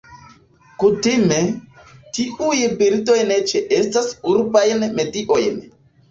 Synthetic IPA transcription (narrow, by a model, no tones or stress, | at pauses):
kutime̞tiʔujbiɾto̞jnet͡ʃeʔe̞stasuɾbajnmetiʔo̞jn